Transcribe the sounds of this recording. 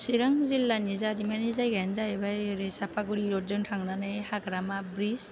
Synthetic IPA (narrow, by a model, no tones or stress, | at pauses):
siɾaŋzilːanizaɾimanizajɡaanzabajɾesapʰaɡuɾiɾɔzɯŋtʰaŋnanajhaɡɾamabɾis